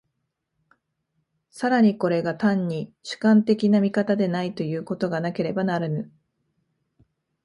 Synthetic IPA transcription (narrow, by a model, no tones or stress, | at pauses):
saɾaɲ̟iko̞ɾe̞ɡat̪ãɲ̟ːiɕɨ̥kãnt̪e̞kʲinamʲikat̪ad̪e̞nait̪o̞jɯ̟ːko̞t̪o̞ɡanake̞ɾe̞banaɾɯnɯ̟